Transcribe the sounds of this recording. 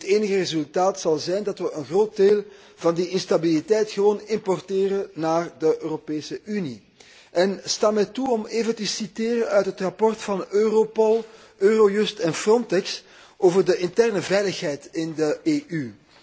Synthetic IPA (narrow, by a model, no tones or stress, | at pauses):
ɦəteːnəɣərezɵlˠtaːtsɑlˠzɛjndɑtʋəʔənɣroːt̚deːlˠ | v̥ɑndiɪnstabilitɛjtxəʋoːnɪmpɔrteːrənaːrdəʔøːropeːsəʔyni | ʔɛnstaːmɛtuɔmeːvəntəsiteːɾəœɥtɦətrɑpɔrtfɑnøːropɔlˠ | ʔøːrojɵstɛnfrɔntɛks | oːvərdəʔɪntɛrnəvɛjləxɦɛjtɪndəeːʔy